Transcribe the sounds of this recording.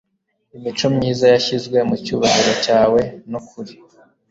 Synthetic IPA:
imit͡ʃo̞mɲiːzajaçizɡwe̞mucuːβaɦiɾocaːwe̞nokʰuɾi

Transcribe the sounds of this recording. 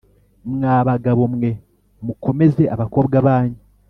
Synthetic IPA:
mŋaːβaɡaβo̞mwe̞ | muko̞me̞ze̞ʔaβako̞ːbɡaβaːɲe

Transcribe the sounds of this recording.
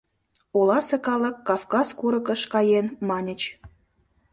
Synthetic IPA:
olɑsekɑlə̆kːɑfkɑzkuɾə̆kəʃkɑjenmɑnʲət͡ɕ

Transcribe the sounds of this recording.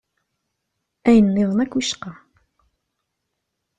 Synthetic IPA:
æjənːɪðˤənækːwiʃqɑ

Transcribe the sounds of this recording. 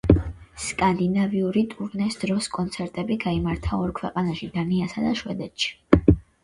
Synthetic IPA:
skʼand̪inaviuɾit̪ʼuɾnɛsd̪̥ɾɔskʼɔnt̪sʰɛɾt̪ʼɛbiɡaimaɾt̪ʰaɔɾkʰwɛqʼanaʃid̪aniasad̪aʃwɛd̪ɛt̪ʼʃi̥

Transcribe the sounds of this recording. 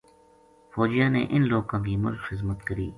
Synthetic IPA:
fɔːd͡ʒijãːnḛʔɪnloːɡãːkiːmʊ̰lkxɪzmət̪kəɾiː

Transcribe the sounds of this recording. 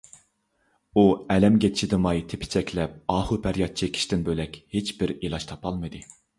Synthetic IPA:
uɛlɛmɡʲet̪ʰʃid̪ɨmɑjt̪ʰe̥pʰɪ̥t͡ʃʰɛkʲʰlɛp̚ɑːhupʰæɾjɑt̪̚t͡ʃʰekʲʰi̥ʃt̪ɪnbølɛkʲhet͡ʃbɪɾilˠɑʃt̪ʰɑpʰɑlˠmɨd̪ɨ

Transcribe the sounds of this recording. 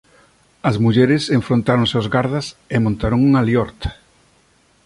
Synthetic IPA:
ɐzmuʎɛɾɪseɱfɾõnt̪aɾõŋseozɣaɾðɐsemõnt̪aɾoŋuŋaljɔɾt̪

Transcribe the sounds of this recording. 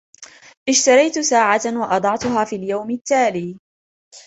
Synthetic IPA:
ʔɪʃt̪ɑɾˤɑjt̪saːʕawɑʔɑd̪ˤɑʕt̪ʊɦaːfiːljawmɪt̪ːaːliː

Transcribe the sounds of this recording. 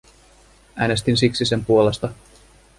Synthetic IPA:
æːne̞st̪insiksise̞mpuole̞st̪ɑ

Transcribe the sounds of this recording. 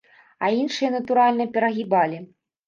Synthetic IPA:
ainʂɨjɐnɐt̪uɾalʲnɐpʲɛɾɐɣʲibalʲi

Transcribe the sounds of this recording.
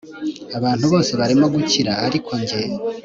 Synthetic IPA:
aβaːn̥huβo̞ːse̞βaɾimo̞ɡuciɾaːɾikʰo̞ɲɟen

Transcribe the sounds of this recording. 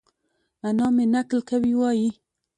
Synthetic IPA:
anɑmenaklkawiwɑji

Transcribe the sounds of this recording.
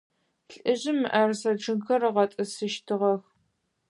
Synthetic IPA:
ɬʼɨʑɪmɨʔɐrsɐʈ͡ʂɨŋxɐrɐʁɐtʼɨsɨʃtʰɨʁɐx

